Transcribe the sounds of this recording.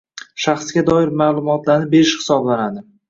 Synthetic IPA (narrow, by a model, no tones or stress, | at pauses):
ʃaχsɡʲad̪ɒɪɾmaːlˠʊmɒt̪laɾnɪbe̞ɾɪʃhɪ̥sɒblanad̪ɪ